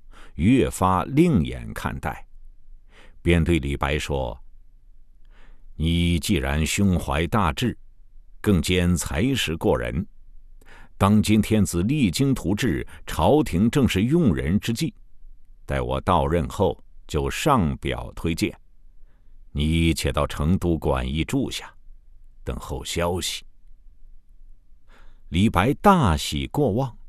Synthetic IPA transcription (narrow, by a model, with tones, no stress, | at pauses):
ɥɛ˥˩fa˥li˥˩ŋjɛ̰˨˩nkʰa̰˥˧nt̪a̰˥˩ɪ | pjɛ˥nt̪we˥˩ɪli˨˩pa˧˥ɪʂwɔ̰˥ | ni˨˩t͡ɕi˥˩ɻa̰˧˥nɕjʊ˥ŋxwa˧˥ɪt̪a˥˧ʈ͡ʂɻ̩˥˩kɤ˥˩ŋt͡ɕjɛ˥nt͡sʰa˧˥ɪʂɻ̩˧˥kwɔ˥˩ɻə̰˧˥n | t̪ɑ˥ŋt͡ɕi˥nt̪ʰjɛ˥nt͡sɹ̩˨˩li˥˩t͡ɕi˥ŋt̪ʰu˧˥ʈ͡ʂɻ̩˥˩ʈ͡ʂʰɑ˧˥ʊt̪ʰi˧˥ŋʈ͡ʂɤ˥˧ŋʂɻ̩˥˧jʊ˥˩˧ŋɻə̰˧˥nʈ͡ʂɻ̩˥t͡ɕi˥˩t͡s̪a˥˩ɪwʔɔ̰˨˩t̪ɑ˥˧ʊɻə˥˧nxo˥˧ʊt͡ɕjo˥˧ʊʂɑ˥˩ŋpjɑ̰˨˩ʊt̪ʰwe˥ɪt͡ɕjɛ̰˥˩n | ni˧˩˥t͡ɕʰjɛ˨˩t̪ɑ˥˩ʊʈ͡ʂʰɤ˧˥ŋt̪u˧˥kwa̰˨˩ni˥˧ʈ͡ʂu˥˧ɕja˥˩t̪ə̰˨˩ŋxo˥˩ʊɕjɑ˥ʊɕi̥˨˩ | li˨˩pa˧˥ɪt̪a˥˩ɕḭ˨˩kwɔ˥˧wɑ˥˩ŋ